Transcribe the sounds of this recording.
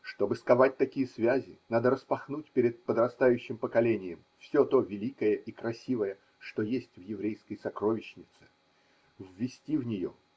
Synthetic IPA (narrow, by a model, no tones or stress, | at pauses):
ʂt̪o̞bɨskɐvat̚ʲt̪ɐkʲijəsvʲæzʲɪnad̪əɾəspɐxnutʲpʲeɾʲɪt̪̚pəd̪rɐst̪ajʉɕːɪmpəkɐlʲenʲɪjɪmfsʲot̪o̞vʲɪlʲikəjəʔikɾɐsʲivəjə | ʂt̪o̞jesʲtʲvjɪvɾʲejskəjsɐkɾo̞vʲɪɕnʲɪt̪sɨ̥ | vːʲɪsʲtʲivnʲɪjo̞̰